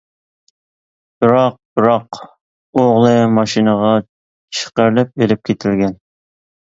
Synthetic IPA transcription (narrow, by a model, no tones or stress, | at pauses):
b̥ɪɾɑq̚b̥ɪɾɑq | oʁlˠɨmɑʃinəʁɑ | t͡ʃʰə̥qəɾlɛp̚elɪp̚kʲʰet̪ʰɪlɡʲɛn